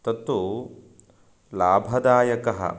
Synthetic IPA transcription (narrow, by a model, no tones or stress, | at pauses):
t̪ɐt̪ːu | laːbʱɐd̪aːjɐkɐɦɐ̰